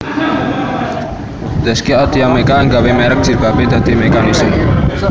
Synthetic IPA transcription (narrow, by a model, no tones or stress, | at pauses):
d̪̥əskiad̪iamekaːŋɡawemɛɾək̚dd͡ʒ̥irbaped̪̥a̤d̪̥i̤mekanisəm